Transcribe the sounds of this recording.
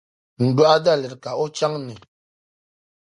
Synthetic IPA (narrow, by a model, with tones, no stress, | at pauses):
m̩˨bu˦a˦da˦˨lɛ˨ɾka˨ɔ˦t͡ʃa˦ŋnɛ˨